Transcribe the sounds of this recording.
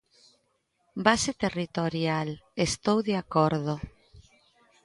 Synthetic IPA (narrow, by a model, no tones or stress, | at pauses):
baset̪erit̪oɾjalest̪owðeakoɾðo